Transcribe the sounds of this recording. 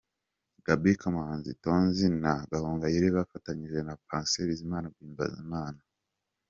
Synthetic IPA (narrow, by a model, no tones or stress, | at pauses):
ɡ̥abikamahaːnzitonzinaɡahoːŋɡajiɾiβafataɲiʒenapaːnseβizimaːnaɡwiːmba̰zḭmaːna